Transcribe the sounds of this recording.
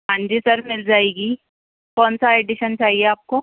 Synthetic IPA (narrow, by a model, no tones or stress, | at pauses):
ɦãːɲd͡ʒisɐɾmɪld͡ʒaːeːɡiː | kɔːnsaeːɖɪʃənt͡ʃaːɦieaːp̚ko